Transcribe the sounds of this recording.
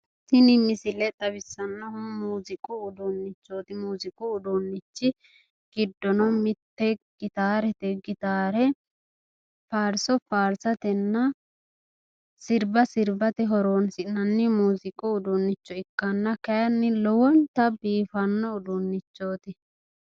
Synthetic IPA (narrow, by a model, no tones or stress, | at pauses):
sɪnɪmɪsɪlɛt̪ʼɐβɪsːɐnːɔmuːzɪkʼʊʊd̪ʊnːɪt͡ʃːo̞ːt̪ɪmuːzɪkʼʊːd̪unːɪt͡ʃːɪ | ɡ̥ɪd̪ːɔnɔmɪt̪ːɛɡ̥ɪt̪aːɾɛt̪ɛɡɪt̪aːɾɛ | faːɾsɔfaːɾsɐt̪ɛnːɐ | sɪɾbɐsɪɾbɐt̪ɛɦɔɾoːnsɪnːɐnːɪmuːzɪkʼʊʊd̪ʊnːɪt͡ʃːɔɪkːɐnːɐkɐjɐnːɪlɔwɔnt̪ɐbiːfɐnːɔʊd̪ʊnːɪt͡ʃːoːt̪ɪ